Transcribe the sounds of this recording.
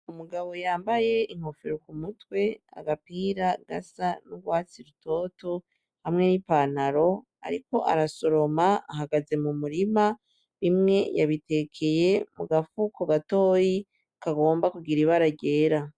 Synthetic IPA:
umuɡaβo̞jaːmbaje̞ʔiŋ̥ho̞feɾokumutwe̞a̰ɡapiːɾaɡa̰sanuɡwaːt͡siɾuto̞ːto | hamŋe̞nipaːnaɾo̞ | a̰ɾiko̞ʔa̰ɾaso̞ɾo̞maːɦaɡaze̞mumuɾima | βimŋe̞ja̰βite̞kʰe̞je̞muɡafukoɡatoːji | kaɡo̞ːmbakuɡiɾiβaɾaɟe̞ːɾa

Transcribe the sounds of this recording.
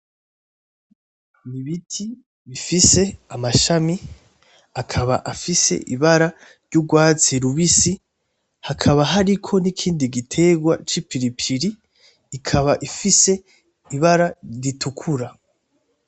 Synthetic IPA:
niβitʰi | βifise̞amaʃami | akʰaβa̰ʔafise̞̰ʔiβaɾa | ɾɟuɡwaːt͡siɾuβisi | hakʰaβaɦaɾikʰo̞nikʰiːndiɡitʰe̞ɡwa̰t͡ʃipiɾipʰiɾiː | kʰaβaʔifise̞ | iβaɾaɾitʰukʰuɾa

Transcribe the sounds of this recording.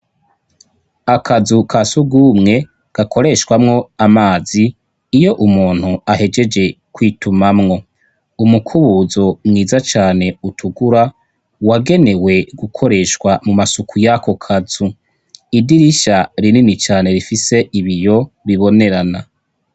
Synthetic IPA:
akʰazukʰasuɡumŋe̞ | ɡ̥akʰo̞ɾe̞ʃwamŋo̞amaːziː | jo̞ʔumuːn̥huahe̞d͡ʒe̞d͡ʒe̞ | kwiːtʰumamŋo̞ | umukʰuβuzo̞mŋiːzat͡ʃaːne̞utʰuɡuɾa | waɡe̞ne̞we̞ɡukʰo̞ɾe̞ʃkwamumasukʰujakʰo̞kʰazu | idiɾiʃaɾininit͡ʃaːne̞ɾifise̞ʔiβijo̞βiβo̞ne̞ɾana

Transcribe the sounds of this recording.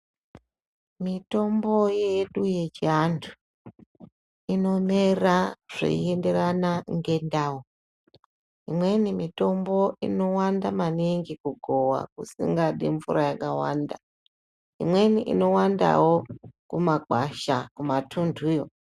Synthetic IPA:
mito̞mbo̞jeɗuje̞t͡ʃiantʰu̥ | ino̞meraʐ̥ḛḭende̞ɾanaŋɡe̞ndawo | imwe̞nimito̞mbo̞ʔḭno̞wandamaneŋɡikuɡʱo̞wa̰kusḭŋɡaɗiɱvuɾajakawa̰nda | ḭmwe̞niʔḭno̞wanda̰wo̞kumaɡaʃakumatʰundʱujo

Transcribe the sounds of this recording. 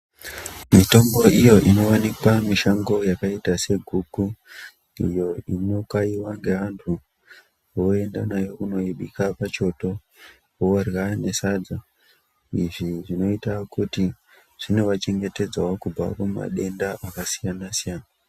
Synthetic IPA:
mito̞mbo̞ʔijo̞ʔino̞wanikwamiʃaŋɡo̞jakaitase̞ɡʱuku | ḭjo̞ino̞kaiwaŋɡe̞ʋantʰu | ʋo̞e̞ndanajo̞kuno̞iɓikapat͡ʃo̞to̞ | oorɣane̞saːd͡za | iʐiʐino̞itakuti | ʐ̥ine̞ʋat͡ʃe̞ŋɡe̞te̞d͡zawokuba̰kumuma̰ɗe̞ndaʔakasijanasijaːna

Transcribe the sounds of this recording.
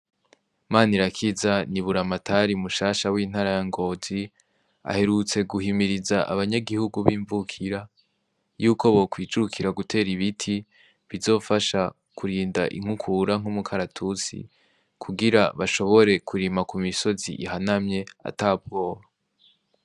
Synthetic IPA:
maːniɾakʰizaniβuɾamatʰaɾimuʃaːʃawiːn̥aɾajaŋɡo̞ːz̥i | a̰he̞ɾut͡se̞ɡuhimiɾizaʔa̰βaɲaɡihuɡuβiːɱvukʰiɾa | juːkʰo̞βo̞kwiːd͡ʒukʰiɾaɡutʰe̞ːɾiβitʰi | βizo̞ːfaʃa | kʰuɾiːnda̰ʔḭŋ̥hukʰuɾaŋ̥umukʰaɾatʰut͡sḭ | kʰuɡiɾaβaʃo̞βo̞ɾe̞kʰuɾimakumiso̞zḭʔiɦanamɲe̞a̰taːb̚ɡo̞ːβa

